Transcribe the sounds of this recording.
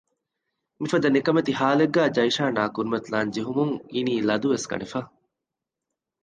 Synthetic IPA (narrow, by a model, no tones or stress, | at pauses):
mifɐd̪ɐnekɐmet̪iɦaːleɡːæːd͡ʒɐjʃaːnaːkuɾumɐt̪laːnd͡ʒiɦumuŋiniːlɐd̪uʋeskɐ̰ɳefɐ